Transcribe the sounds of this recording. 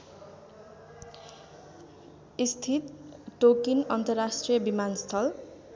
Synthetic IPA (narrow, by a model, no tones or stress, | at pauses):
ist̪ʰit̪ʈokinʌnt̪ʌrːasʈrijʌbimanst̪ʰʌl